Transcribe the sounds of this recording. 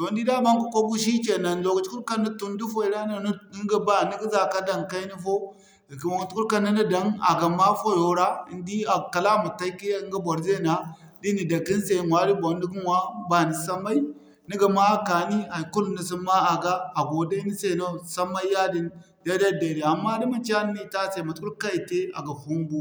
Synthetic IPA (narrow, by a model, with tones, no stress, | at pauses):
to˨ndi˦da˦ba˦ŋ˦ku˨kʷa˦ɡu˦ʃ̬i˦t͡ʃe˨na˨n˨lo˨ɡt͡ʃku˦ɾka˦nːa˦tu˦n˦di˦fo˦i˨da˦na˨˦ɡə˨ba˦˨ni˦ɡi˦za˨ka˦da˦ŋka˦i˦ni˦fo˦˨ | ki˨mo˨ɡt͡ʃu˦ku˦ɾka˦na˦nə˦da˨˦na̰˨ɡa˨ma˦fo˦jo˨ɾa˦i˨ndi˦a˨ka˨la˦mu˨ta˦i˦ki˦ŋɡa˦bʷa˨ɾze˦˨na˨ | di˦ni˨da˨ɡi˦n˦se˨nwa˦ɾi˦bo˨˦n˦di˦ɡi˦nwa˦ba˨ni˨sa˦ma˦i˦ | ni˦ɡa˨ma˦ka˨ni˦ha˨ku˦lni˨s̬i˦ma˦a˨ɡaː˦˨ɡo˨da˦ni˦se˦˨no˦sa˦ma˦i˦ja˦di˦n | ja˦da˦˨de˨ɾi˨a˨mːa˦di˦ma˨t͡ʃa˦n˦i˦ta˦se˨ma˨tu˦ɾka˦i˨te˦a̰˨ɡa˨ɸu˦m˦bu˦˨